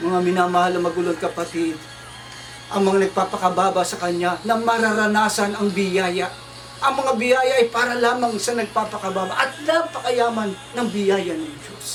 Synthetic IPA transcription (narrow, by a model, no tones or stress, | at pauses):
mɐŋamɪnaːmɐhalɐŋmɐɡulonkɐpɐt̪id̪̚ | ʔɐŋmɐŋanɐɡ̚paːpɐkɐbaːbɐsɐkɐɲanɐmɐɾɐɾɐnaːsɐnɐŋbɪjaːjɐ | ʔɐŋmɐŋabɪjaːjɐʔɐjpaːɾɐlaːmɐŋsɐnɐɡ̚paːpɐkɐbaːbɐʔɐt̪̚laŋpɐkɐjaːmɐnːɐŋbɪjaːjɐnɐŋd͡ʒos